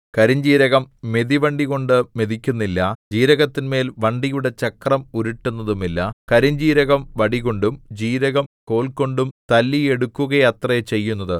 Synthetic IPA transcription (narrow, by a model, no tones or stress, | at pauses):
kɐɾiɲd͡ʑiːɾɐɣɐmːe̞ðiʋɐɳɖiɣo̞ɳɖɨme̞ðikʲːunːilːɐd͡ʑiːɾɐɣɐt̪ːinme̞ːlʋɐɳɖijuɽe̞t͡ɕɐkrɐmuɾuʈːunːɐðumilːɐkɐɾiɲd͡ʑiːɾɐɣɐmʋɐɽiɣo̞ɳɖumd͡ʑiːɾɐɣɐmko̞ːɭko̞ɳɖumt̪ɐlːie̞ɽukːuɣɐjɐt̪rɐt͡ɕe̞jːunːɐðɨ